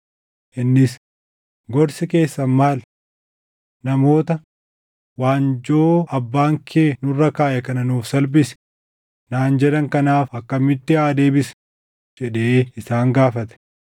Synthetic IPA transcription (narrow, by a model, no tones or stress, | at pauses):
ʔɪnːɪs | ɡɔɾsɪke̞ːsːɐmaːl | nɐmo̞ːt̪ɐ | waːnd͡ʒoːɐbːaːŋkʰeːnʊrːɐkaːʔɛkɐnɐnuːfsɐlbɪsɛ̥ | naːnd͡ʒɛᶑɐŋkɐnaːfɐkːɐmɪt̪ːɪaːd̪e̞ːbɪs | d͡ʒɛᶑeːɪsaːŋɡaːfɐt̪ɛ̥